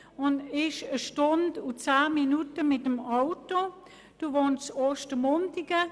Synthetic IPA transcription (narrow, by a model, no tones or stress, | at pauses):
ʊnɪʃəʃtondut͡saːminutəmɪtəmaʊto | d̥uvoːnt͡soːʃtəmontɪɡə